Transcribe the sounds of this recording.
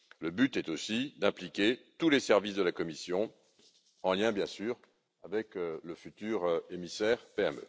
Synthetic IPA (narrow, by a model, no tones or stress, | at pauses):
ləbyt̪ɛt̪osid̪ɛ̃plikʲet̪ulesɛʁvisd̪əlakɔmisjɔ̃ | ɑ̃ljɛ̃bjɛ̃syːʁ | avɛkləfyt̪yːʁemisɛʁpeɛmø̰